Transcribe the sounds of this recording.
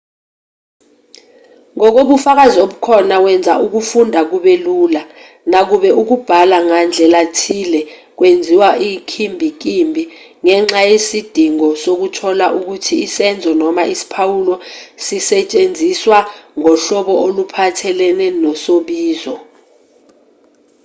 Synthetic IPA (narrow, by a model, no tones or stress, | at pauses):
ŋɔk̬oɓufak̬azioɓukʰɔnawɛnd͡zʱaʔuk̬ufundʱak̬uɓɛluːla | nak̬uɓɛʔuk̬ub̥ʱalaŋand͡ɮʱɛlatʰilɛk̬wend͡zʱiwaʔikʰimbʱik̬imbʱi | ŋɛŋ͡ǁajesid̥ʱiŋɔsok̬utʰɔlaʔuk̬utʰiːsɛnd͡zʱɔnɔmaʔisi̥pʰawulɔsisɛt͡ʃʼend͡zʱiswaŋɔɬɔɓɔolupʰatʰɛlɛnɛnɔsoɓiːzɔ